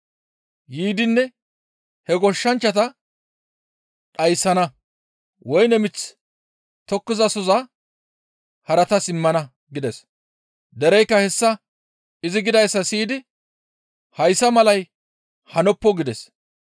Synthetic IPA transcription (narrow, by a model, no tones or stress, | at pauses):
jiːd̪ɪnːɛ | hɛɡɔʃːɐnt͡ʃːɐt̪ɐ | ᶑɐjsːɐnɐ | wɔjnɛmɪt͡s | t̪ɔkːɪzɐsɔzɐ | hɐɾɐt̪ɐsɪmːɐnɐ | ɡɪd̪ɛs | d̪ɛɾɛjkːɐhɛsːɐ | ɪzɪɡɪd̪ɐjsːɐsiːd̪ɪ | hɐjsːɐmɐlɐj | hɐnɔpːɔɡɪd̪ɛs